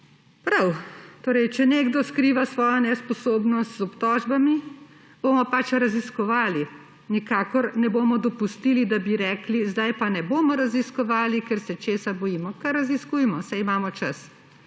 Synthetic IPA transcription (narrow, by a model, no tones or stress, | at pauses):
pɾawt̪oːɾɛjt͡ʃɛneːɡd̪ɔskɾiːʋasʋɔːjanɛspɔsoːbnɔst̪zɔpt̪ɔːʒbami | b̥oːmɔpat͡ʃɾaziskɔʋaːli | nikaːkɔɾnɛboːmɔd̪ɔpust̪ilid̪abiɾɛːklizd̪ajpanɛboːmɔɾaziskɔʋaːlikɛɾsɛt͡ʃeːsabɔjiːmɔkaɾaziskujmɔsɛjimaːmɔt͡ʃas